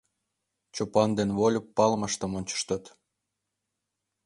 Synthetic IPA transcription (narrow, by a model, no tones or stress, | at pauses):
t͡ɕopɑnd̪enβolʲəpːɑlməʃt̪ə̆monʲt͡ɕə̥ʃt̪ə̆t̪